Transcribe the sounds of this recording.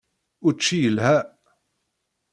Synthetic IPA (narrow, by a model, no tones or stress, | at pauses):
ʊt͡ʃːijəlhæ